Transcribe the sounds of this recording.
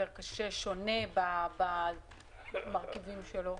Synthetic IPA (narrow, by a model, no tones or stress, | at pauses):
eʁkaʃe̞ʃo̞ne̞baba | maʁkivimʃelo̞